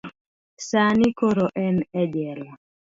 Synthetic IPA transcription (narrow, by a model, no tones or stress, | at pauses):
sanikoɾoʔɛnɛd͡ʒɛla